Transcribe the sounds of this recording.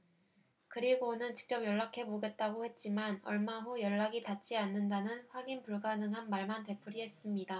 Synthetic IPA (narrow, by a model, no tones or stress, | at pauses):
kɯɾiɡonɯnt͡ɕi̥k̚t͡ɕ͈ʌm̚jʌɭːakʰe̞moɡe̞t̚t͈aɡohe̞t̚t͡ɕ͈imanʌɭmaɦojʌɭːaɡitat͡ɕ͈ianːɯndanɯnɸwaɡinpuɭɡanɯŋɦanmaɭmante̞pʰuɾiɦe̞s͈ɯmɲida